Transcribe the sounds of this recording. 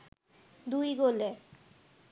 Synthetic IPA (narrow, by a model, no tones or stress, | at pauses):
d̪ujɡole